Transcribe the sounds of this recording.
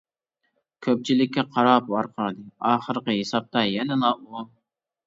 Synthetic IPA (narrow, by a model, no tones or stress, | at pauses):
kʲʰøp̚t͡ʃʰilɪkʲːɛqʰɑɾɑpɑɾqʰɑɾd̪ɨɑːχəɾqəɦesɑp̚t̪ʰɑjɛnɛnɑʔolˠ